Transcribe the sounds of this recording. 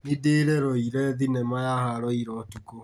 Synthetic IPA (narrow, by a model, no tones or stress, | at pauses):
mideɾɛɾɔiɾɛðinɛmajahaɾɔiɾɔtuko